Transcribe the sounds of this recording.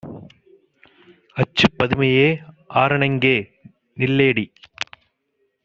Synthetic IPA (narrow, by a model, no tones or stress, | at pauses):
ɐt͡ʃːɯpːɐðɪmɐjeː | ʔaːɾɐɳɐŋɡeː | nɪlːeːɽi